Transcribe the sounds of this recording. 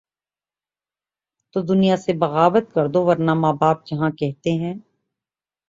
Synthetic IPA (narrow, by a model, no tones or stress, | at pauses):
t̪oːd̪ʊnijasebɐɣaːbət̪̚kɐɾd̪oʋɐɾnamaːbaːp̚d͡ʒɐɦãkɛɦt̪eɦɛ̃ː